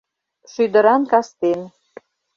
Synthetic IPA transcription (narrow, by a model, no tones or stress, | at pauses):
ʃyd̪ə̆ɾɑnkɑst̪en